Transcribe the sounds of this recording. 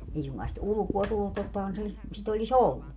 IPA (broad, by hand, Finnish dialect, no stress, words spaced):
ei suŋkɑː sit ulŭkuo tulːut totːɑhɑn se sit olʲis olːu